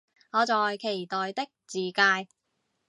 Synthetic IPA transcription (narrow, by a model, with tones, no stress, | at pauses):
ŋɔː˨˧t͡sɔː˨jkʰe˨˩jt̪ɔː˨jt̪ɪ˥k̚t͡siː˨kaː˧j